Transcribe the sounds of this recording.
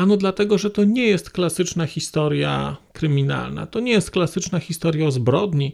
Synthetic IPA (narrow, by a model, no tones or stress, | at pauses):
anɔd̪lat̪ɛɡɔʐɛt̪ɔɲɛjɛst̪klasɘt͡ʂnaxʲist̪ɔɾja̰kɾɘmʲina̰lna̰t̪ɔɲɛjɛst̪̚klasɘt͡ʂnaxʲist̪ɔɾjaɔzbɾɔd̪ɲi